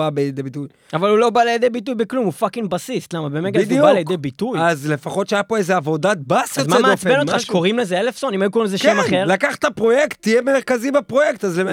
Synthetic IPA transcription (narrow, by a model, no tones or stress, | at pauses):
abejed̪ebit̪uj | avalulo̞balejed̪ejbit̪̬ujbeklumufakinbasislamabemeɡed̪ubalejed̪ejbit̪ujazle̞faχo̞t̪ʃeajapo̞ezeavo̞d̪at̪̚basjozmaameat͡sbenoχaʃe̥koʁimlezeelefsonimajukoʁimzekemaχeʁlakaχt̪apʁo̞jekt̪ːijemeʁkazibapʁo̞jekt̪azle